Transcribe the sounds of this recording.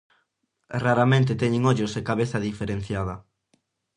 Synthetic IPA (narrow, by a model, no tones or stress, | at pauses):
raɾamẽnt̪et̪ɛɲeŋoʎosekaβeθɐðifeɾẽn̟θjað̞ɐ